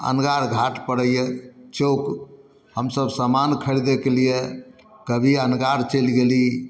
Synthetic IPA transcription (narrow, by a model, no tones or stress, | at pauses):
ə̰nɡaɾɡʱaʈpəɽəijet͡ʃok | həmsəbʱsamankʰəɾid̪ekelije | kəbʱiənɡaɾt͡ʃəlɡeli